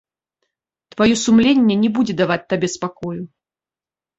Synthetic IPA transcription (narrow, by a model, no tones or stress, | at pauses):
t̪vajɔsumlʲenʲːɛnʲɛbud͡zʲɛd̪avat͡sʲt̪abʲɛspakɔju